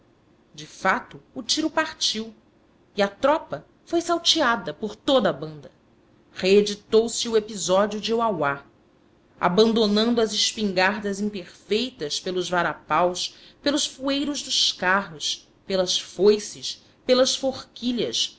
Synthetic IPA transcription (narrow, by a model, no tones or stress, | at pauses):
d͡ʒɪfat̪ʊːt͡ʃiɾʊpaɾt͡ʃiw | iɐt̪ɾɔpɐ | fojsawt͡ʃiad̪ɐpoɾt̪od̪ɐbɐ̃nd̪ɐ | χeed͡ʒit̪owsɪuepizɔd͡ʒiʊd͡ʒɪuawa | a̰bɐ̃nd̪onɐ̃nd̪uɐzɪʃpĩŋɡaɾd̪ɐzĩpeɾfejt̪ɐspelʊzvaɾapawspelʊʃfuejɾʊʒd̪ʊʃkaɦʊs | pelɐsfojsɪs | pelɐsfoχkiʎɐs